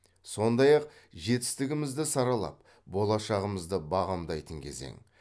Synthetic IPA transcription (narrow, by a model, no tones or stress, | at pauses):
so̞nd̪ɑjɑqʒe̞t̪ɪ̥st̪ɪɡʲɪmɪzd̪ɪsɑɾɑlˠɑ̰p̚ | bo̞lˠɑʃɑʁəməzd̪əbɑʁɑmd̪ɑjt̪əŋkʲʰe̞̰ze̞̰ŋ